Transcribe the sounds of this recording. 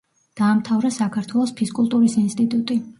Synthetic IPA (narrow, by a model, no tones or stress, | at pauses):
d̪̥aːmt̪ʰavɾasakʰaɾt̪ʰwɛlˠɔspʰiskʼulˠt̪ʼuɾisinst̪ʼit̪ʼut̪ʼi